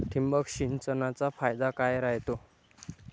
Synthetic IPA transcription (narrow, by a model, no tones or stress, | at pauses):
t̪ʰimbəkɕint͡sənat͡safajd̪akajɾaɦjt̪o